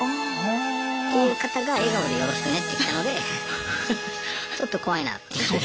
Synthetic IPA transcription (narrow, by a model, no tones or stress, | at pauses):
kojɯkat̪aɡaeɡaod̪ejoɾosi̥t̪enet̪ːeit̪ːano̞d̪e̞ | t͡ɕo̞t̪ːoko̞βaina̰t̪ːe